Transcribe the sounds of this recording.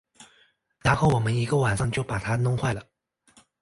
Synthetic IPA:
na˧˥nxo˥˩ʊwɔ˨˩mə˦ni˧˥ɡə˧wa˨˩nʂɑ˥˧ŋt͡ɕjo˥˩ʊpa˨˩t̪ʰa˥nʊ˥ŋxwa˥˩ɪlə˩

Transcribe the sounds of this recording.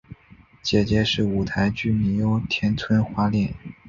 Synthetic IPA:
t͡ɕjɛ˨˩t͡ɕjɛ˧˥ʂɻ̩˥˩u˨˩t̪ʰa˧˥ɪt͡ɕy˥˩ni˧˩o˧˥ʊt̪ʰjɛ˧˥nt͡sʰwə˥nxwa˥ljɛ˥˩n

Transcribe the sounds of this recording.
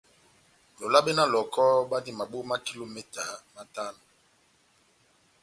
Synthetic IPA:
lo˨la˦be˦na˦lɔ˨kʰɔ˦ba˦ndi˦ma˨bo˦ma˦ki˦lo˨mɛ˦ta˨ma˦ta˦no˨

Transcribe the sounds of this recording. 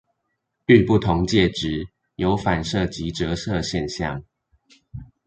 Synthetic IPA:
y˥˧pu˥˩t̪ʰʊ˧˥ŋt͡ɕjɛ˥˩ʈ͡ʂɻ̩˨˦ | jo˧˥ʊfa˨˩nʂɤ˥˩t͡ɕi˧˥ʈ͡ʂɤ˧˦ʂɤ˥˧ɕjɛ˥˧nɕjɑ˥˨˩ŋ

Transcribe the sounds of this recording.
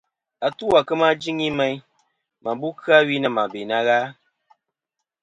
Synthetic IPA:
a˨tu˦wa˨kɨ˦ma˦d͡ʒi˦ŋi˦mɛ˦j | ma˨bu˦kɨ˦a˦wi˦na˨ma˨be˨na˦ɣaː˦

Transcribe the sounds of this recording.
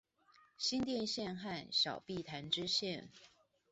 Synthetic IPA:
ɕi˥nt̪jɛ˥˧nɕjɛ˥˧nxa˥˩nɕjɑ˨˩ʊpi˥˩t̪ʰa˧˥nʈ͡ʂɻ̩˥ɕjɛ˥˩n

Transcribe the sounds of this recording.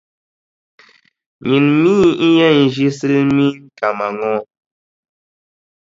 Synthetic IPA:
ɲi˨nmiː˦i˦jɛ˦˨n̩˨d͡ʒi˦sɨ˦mi˦ŋ̩˦ka˨ma˨ŋɔ˦˨

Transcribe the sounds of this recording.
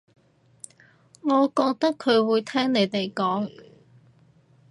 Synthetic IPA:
ŋɔː˨˧kɔː˧k̚t̪ɐ˥kʰɵ˨˧ɥwuː˨˧jt̪ʰɛː˥ŋne˨˧jt̪e˨jkɔː˨˥ŋ

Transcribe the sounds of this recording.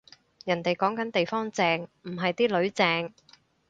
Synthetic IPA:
jɐ˨˩nt̪e˨jkɔː˨˥ŋkɐ˨˥nt̪e˨jfɔː˥ŋt͡sɛː˧ŋm̩˨˩ɦɐ˨jt̪iː˥lɵ˨˥ɥt͡sɛː˧ŋ

